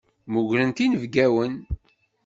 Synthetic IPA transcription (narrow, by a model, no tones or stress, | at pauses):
muʝɾənt̪inəvɡæwən